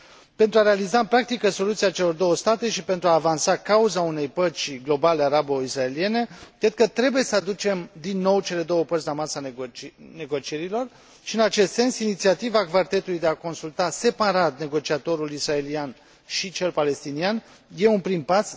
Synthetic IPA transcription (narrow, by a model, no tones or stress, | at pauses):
pe̞nt̪ɾuaɾe̞alizaɨmpɾak̚t̪ikəso̞lut̪siat͡ʃe̞lo̞rd̪o̞wəst̪at̪eʃipent̪ɾuaːvansakauzaune̞jpət͡ʃɡlo̞baleaɾaboisrae̞lie̞ne̞kɾed̪̚kət̪ɾe̞buje̞səad̪ut͡ʃe̞md̪inːo̞wt͡ʃe̞le̞d̪o̞wəpəɾrt̪ʲlamasa | ne̞ɡo̞t͡ʃie̞ɾilo̞r | ʃiɨnat͡ʃe̞st̪se̞nsinit̪siat̪ivakvart̪e̞t̪ulujd̪eako̞nsult̪ase̞paɾat̪̚ne̞ɡo̞t͡ʃiat̪o̞ɾulisrae̞lian | ʃit͡ʃe̞lpale̞st̪inian | je̞unpɾimpas